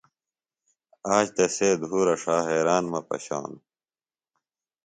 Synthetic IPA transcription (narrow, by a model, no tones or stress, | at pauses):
aːɕt̪eseːd̪ʱuːɾɐʂaːɦeːɾaːnmɐpɐ̰ɕa̰ːn